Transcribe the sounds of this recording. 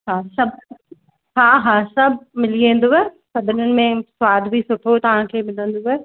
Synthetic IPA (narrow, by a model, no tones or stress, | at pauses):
ɦaːsɐb̚ʱ | ɦaːɦaːsɐbʱmɪliẽːn̆d̪oɦɛːsɐbʱɪnənɪ̆mẽswaːd̪ʱbʱisʊʈʰot̪ɐʋ̤ãkʰeːmɪlə̃nd̪oɦɛː